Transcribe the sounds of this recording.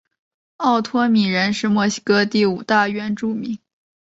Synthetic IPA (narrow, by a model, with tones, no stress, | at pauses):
ɑ˥˩ʊt̪ʰwɔ˥mi˨˩ɻə˧˥nʂɻ̩˥˧mwɔ˥˩ɕi̥˥kɤ˥t̪i˥˩u˨˩t̪a˥˧ɥɛ˥˧nʈ͡ʂu˥˩mi˧˥ŋ